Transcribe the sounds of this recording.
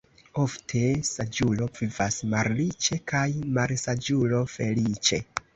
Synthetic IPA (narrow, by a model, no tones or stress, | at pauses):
o̞ftʰe̞sad͡ʒulo̞vivasmaɾlit͡ʃe̞kajmaɾsad͡ʒulo̞fe̞lit͡ʃe̞